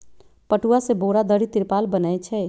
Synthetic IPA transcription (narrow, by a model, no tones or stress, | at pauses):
pəʈuaseboɾad̪əɾit̪iɾpalbənajt͡ʃʰɛ